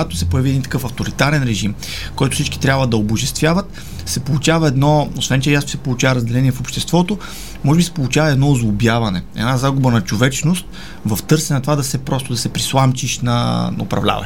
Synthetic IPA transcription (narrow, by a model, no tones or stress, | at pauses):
at̪o̥sɛpʊjɐviɛd̪int̪ɐ̥kɤfɐft̪ʊɾit̪aɾɛnɾɛʒim | kɔjt̪ʊ̥fsit͡ʃki̥t̪ɾʲabvɐd̪ɐobʊʒɛst̪vʲjavɐt̪ | sɛpolˠʊt͡ʃavɐɛd̪nɔosvɛnt͡ʃɛjasosɛpolˠʊt͡ʃavɐɾɐzd̪ɛlɛniɛfopʃt̪ɛst̪vɔt̪o | mɔʒɛbisɛ̥polˠʊt͡ʃavɐɛd̪nɔʊzlˠʊbjavɐnɛɛ̰d̪nazaɡʊbənɐt͡ʃovɛt͡ʃnost̪̚ | vɐft̪ɤɾsɛnɐt̪ovad̪ɐsɛpɾɔst̪ʊd̪ɐsɛpɾislˠamt͡ʃiʃnɐ̰nɐopɾɐ̰vlʲa̰vɐ̰